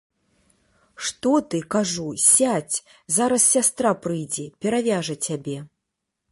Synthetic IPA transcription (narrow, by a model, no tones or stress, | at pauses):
ʂt̪ɔt̪ɨkaʐusʲat͡sʲ | zaɾɐssʲast̪ɾapɾɨjd͡zʲɛpʲɛɾavʲaʐɐt͡sʲabʲɛ